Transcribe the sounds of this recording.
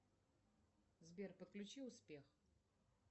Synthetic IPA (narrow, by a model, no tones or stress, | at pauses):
zbʲerpət̪̚klʲʉt͡ɕiʊspʲex